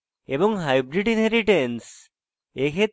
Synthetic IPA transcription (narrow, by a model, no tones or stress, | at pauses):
ebɔŋɦajbɾiʈineɾiʈens | ekʰe